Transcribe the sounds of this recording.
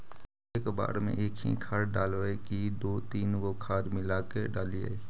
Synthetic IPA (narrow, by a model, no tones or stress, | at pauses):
eːkba̰ːɾmḛ̃ʔeːkʰḭ̃kʰaːɾɖaːlʋekid̪oːt̪iːnɡokʰaːɾmɪlaːkeɖaːlia̰